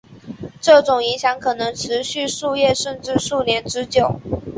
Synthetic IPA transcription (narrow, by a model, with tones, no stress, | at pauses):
ʈ͡ʂɤ˥˩ʈ͡ʂʊ˨˩ŋi˧˥ŋɕjɑ˧˥ŋkʰɤ˨˩nɤ˧˥ŋʈ͡ʂʰɻ̩˧˥ɕy˥˧ʂu˥˧jɛ˥˧ʂə˥˧nʈ͡ʂɻ̩˥˧ʂu˥˩njɛ˧˥nʈ͡ʂɻ̩˧˥t͡ɕjo˨˩˦ʊ